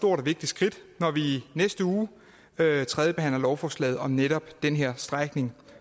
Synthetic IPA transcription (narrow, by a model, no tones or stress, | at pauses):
sd̥o̝ɐ̰ɾɒʋe̝ɡ̥̚d̥isɡ̥ʁid̥nɒʋinesd̥əuː | øt͡sʰʁɛðˠjəb̥e̝hæn̰lɐlɒʊfɒːslɛ̰ːð̩ˠɒ̽mneɾ̥ɒ̽b̥d̥enɦeɐ̰sd̥ʁaɡ̥ne̝ŋ